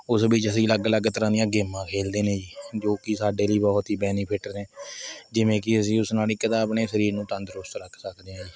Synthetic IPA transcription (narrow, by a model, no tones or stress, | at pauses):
ʊsbiːt͡ʃəsĩːələɡələɡt̪əɾãːd̪ɪjãːɡeːmãːkʰeːld̪eːneːd͡ʒiːd͡ʒoːkɪsaːɖeːliːbɔːt̪ɦiːbɛːniːpʰɪʈəɾnẽːd͡ʒɪʋẽːk̬ɪəs̬ĩːʊsnaːliːkɪt̪aːbneːsəɾiːɾnũːt̪ə̃nd̪əɾʊst̪ɾəkʰsəkʰd̪eːnːd͡ʒiː